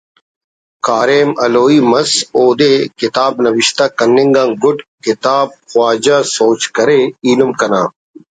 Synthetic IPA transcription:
kaːɾeːmɐloːiːmɐsoːd̪ekɪt̪aːbnɐʋiɕt̪akɐnːiŋɡãːŋɡʊɖkɪt̪aːb̚xwaːd͡ʑaːsoːt͡ɕkɐɾeiːlumkɐnaː

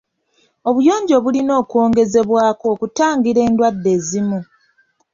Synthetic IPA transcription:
o̞βujo̞ːɲɟo̞βulino̞ːkwo̞ːŋɡe̞ze̞βwaːko̞ːkutaːŋɡiɾe̞ːndwadːe̞ːzimu

